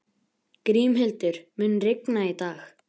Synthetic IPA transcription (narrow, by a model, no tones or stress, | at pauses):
kɾiːmɦɪlt̪ʏɾ̥mʏːnrɪknait̪aːx